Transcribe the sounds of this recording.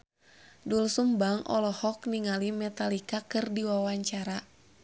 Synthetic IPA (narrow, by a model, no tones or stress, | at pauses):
dulsumbaŋʔɔ̰lɔhɔkniŋalimɛt̪alikakɨrdiwawaɲt͡ʃaɾa